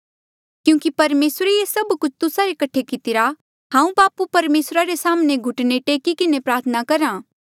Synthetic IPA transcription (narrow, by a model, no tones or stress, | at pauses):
kjũːkipɐɾmeːsɾeesɐbkʊt͡ʃʰt̪ʊsaɾekɐʈʰekɪt̪ɪɾa | ɦãːũbaːpupɐɾmeːsɾaɾesaːmneɡʱʊʈneʈeːkikɪnepɾaːɾt̪ʰənakɐɾãː